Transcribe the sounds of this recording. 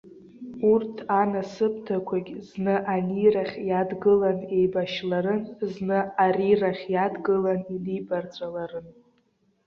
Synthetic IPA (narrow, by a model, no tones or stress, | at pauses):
urtʰanasɨpʰtʰakʷʰaɡʲznɨʔaniraχʲjadɡɨlane̞jbaʃlaɾɨnznɨariraχʲjadɡɨlanilibart͡sʷʼalaɾɨn